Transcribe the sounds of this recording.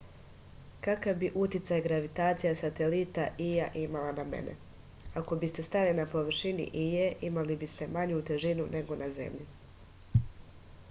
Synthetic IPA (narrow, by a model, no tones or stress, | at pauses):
kakaʋbiʔut̪it̪sajɡɾaʋit̪aːt̪sijasat̪elit̪aʔijaʔimalanamḛnʔḛ | ako̞bist̪e̞st̪alinapoʋr̩ʃinḭʔijeʔimalibist̪e̞maɲut̪e̞ʒinunʔe̞ɡo̞nʔaze̞̰mʎi